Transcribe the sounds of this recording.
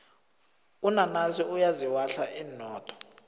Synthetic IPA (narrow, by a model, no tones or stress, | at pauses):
unanaziujaziwaɬaʔiːnɔːtʰʼɔ̥